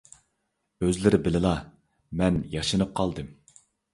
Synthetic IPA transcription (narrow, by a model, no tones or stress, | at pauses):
øzlɪɾɪbɪlɪlˠɑ | mɛnjɑʃɨnɨp̚qʰɑlˠd̪ɨm